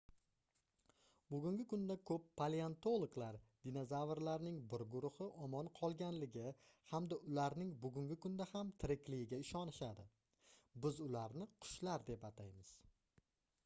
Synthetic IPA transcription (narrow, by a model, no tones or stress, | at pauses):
bʊɡʲʊŋɡʲɪkʊnd̪akʰɵpːaleant̪olˠoklaɾd̪̥inozavɾlaɾnɪŋbɪɾɡʊɾʊhɪʔɒmɒnqʰɒlˠɡʲanlɪɡʲɪhamd̪aʊlaɾnɪŋbʊɡʊŋɡʲɪkʰʊnd̪ahamt̪ʰɪɾɪkʲlɪɡɪɡʲaɪʃɒnɪʃad̪ɪ | bɪzʊlaɾnɪqʰʊ̥ʃlaɾd̪e̞pat̪ʰajmɪz̥